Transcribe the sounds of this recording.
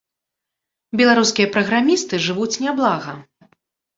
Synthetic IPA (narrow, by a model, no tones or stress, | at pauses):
bʲɛlˠaɾuskʲijɐpɾɐɣɾamʲist̪ɨʐɨvut͡sʲnʲablˠaɣɐ